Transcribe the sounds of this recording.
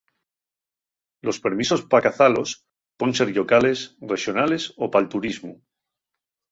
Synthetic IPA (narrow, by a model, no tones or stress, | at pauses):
lo̞spe̞ɾmiso̞spakaθalo̞s | ponseɾʎo̞kale̞sre̞ʃjo̞nale̞sopalt̪uɾizmu